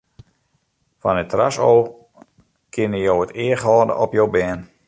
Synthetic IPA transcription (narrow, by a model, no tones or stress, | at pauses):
fɔnətra̰sow | kʰɪnəjowətɪəχɔːdə̰ʔɔpjowbɛːn